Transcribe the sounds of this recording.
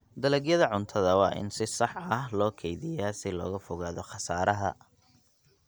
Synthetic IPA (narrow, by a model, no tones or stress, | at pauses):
d̪ɐlɛɡjɐðɐʕʊnt̪ʰɐðɐwɑːʔɪ̰nsɪsɑħɐɦlɔːkʰɛjðɪjaːsɪlɔ̰ːɣɐfʊɣaːðɔχɑsaːɾʔɐɦɐ̰